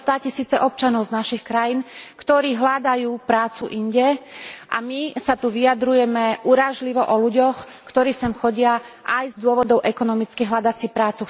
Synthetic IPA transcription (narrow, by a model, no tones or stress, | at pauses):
st̪aːcisiːt͡sɛʔɔp̚t͡ʃanɔʊznaʃixkɾajiːnkt̪ɔɾiːɦlad̪ajuːpɾaːt͡suʔiɲɟɛʔa̰misat̪uʋijad̪ɾujɛmɛʔuɾaʒliʋɔʔɔluɟɔx | kt̪ɔɾiːsɛmxɔɟɪa | ajzd̪ʊɔʋɔd̪ɔʊʔɛkɔnɔmit͡skiɦlad̪at͡sipɾaːt͡su